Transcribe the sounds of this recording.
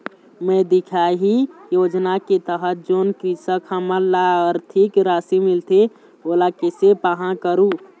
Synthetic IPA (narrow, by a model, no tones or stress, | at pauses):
mẽd̪ikʰaɦijoːd͡ʒnaket̪əɦət̪̚d͡ʒonkɾisəkhəməlːaɔɾt̪ʰikɾaːsimilt̪e | olakesepaɦãkəɾũ